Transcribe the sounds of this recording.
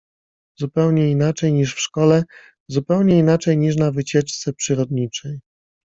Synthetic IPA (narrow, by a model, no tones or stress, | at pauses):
zupɛwɲɛinat͡ʂɛjɲiʂfʂkɔlɛ | zupɛwɲɛinat͡ʂɛjɲiʂ̬navɘt͡ɕɛt͡ʂt̪sɛpʂɘɾɔd̪ɲit͡ʂɛj